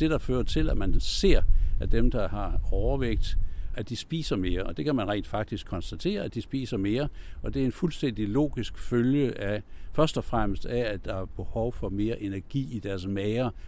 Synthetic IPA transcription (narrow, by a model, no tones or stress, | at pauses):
d̥e̝ɾ̥ɑ̈føːɐt͡sʰe̝læmænse̝ɐ̰ʔæd̥emd̥ɑ̈hɑ̈ɒʊɐʋeɡ̥̚d̥ʔæd̥isb̥ḭːsɐme̝ːɐɒ̽d̥e̝kʰæmænʁɛ̰ːnd̥fɑ̈ɡ̥̚d̥isɡ̥ʰɒ̽nsd̥æt͡sʰe̝̰ːɐæd̥isb̥ḭːsɐme̝ːɐʔɒ̽d̥e̝æɐe̝nfulsd̥en̰d̥ilo̝̰ːɡ̥isɡ̥føljəʔæfɶɐsd̥ɒ̽fʁam̰əsd̥ææ̥ɑ̈æɐb̥e̝hɒʊfɒ̽me̝ːɐʔe̝næɐɡ̥ḭːid̥æɐsmɛːɪɐ